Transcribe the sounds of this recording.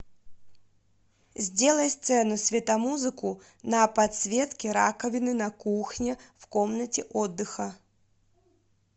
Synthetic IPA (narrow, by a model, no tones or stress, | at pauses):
zʲd͡zʲelˠɐjst̪sɛnʊsʲvʲɛt̪amuzɨku | nɐpat̪svʲet̪kʲɪɾa̰kɐvʲɪnɨnɐkuxnʲɛfkɔmnɐt͡sʲɪʔɔd̪ːɨxɐ